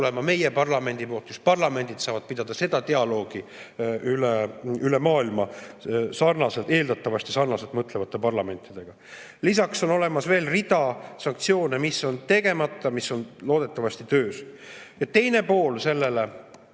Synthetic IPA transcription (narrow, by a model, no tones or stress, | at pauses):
lemɑme̞jepɑrlɑme̞nʲd̪̥ipo̞ːlt̪kuspɑrlɑme̞nʲd̪̥it̪sɑːvɑd̪̥̚pid̪̥ɑd̪̥ɑse̞d̪̥ɑt̪e̞ɑlo̞ːɡ̥iyleylemɑːilmɑsɑrnɑset̪e̞ːld̪ɑt̪ːˑɑvɑsʲt̪isɑrnɑset̪mɤt̪ːle̞vɑt̪ːˑe̞pɑrlɑme̞nʲt̪ːˑid̪̥e̞ɡ̥ɑ | lisɑkso̞no̞le̞mɑsve̞ːlrid̪̥ɑsɑŋk̚t̪sio̞ːnemisːo̞nt̪e̞ɡ̥e̞mɑt̪ˑːɑmisːo̞nlo̞ːd̪e̞t̪ːˑɑvɑst̪it̪øːsjɑt̪e̞jne̞po̞ːlse̞lːe̞le